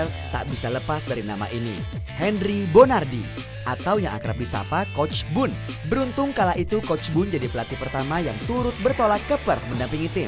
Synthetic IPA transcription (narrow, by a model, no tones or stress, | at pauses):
lt̪a̰ʔbisaləpasdaɾinama̰ʔinihɛnribonardḭ | ʔat̪awjaŋa̰kəɾap̚disa̰pakɔt͡ʃbʊn | bəɾunt̪ʊŋkalaʔit̪ukɔt͡ʃbʊnd͡ʒadipəlat̪ipərt̪amajaŋt̪uɾʊt̪̚bərt̪olat̪̚kəpərməndampiŋit̪ɪ